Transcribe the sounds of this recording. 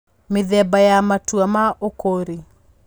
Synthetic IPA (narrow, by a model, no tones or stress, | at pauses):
mɪðɛbajamatuamaʔokoɾi